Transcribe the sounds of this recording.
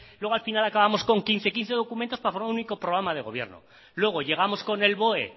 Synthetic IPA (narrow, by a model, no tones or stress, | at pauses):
llwe̞ɣ̞oalfinalakaβamo̞sko̞ŋkinθe̞kin̟θe̞ð̞o̞kument̪o̞spafoɾmaɾuuniko̞pɾoɣ̞ɾamaðe̞ɣ̞o̞βje̞̰ɾno̰ | lwe̞ɣ̞o̞ʝe̞ɣ̞amo̞sko̞ne̞lβo̞e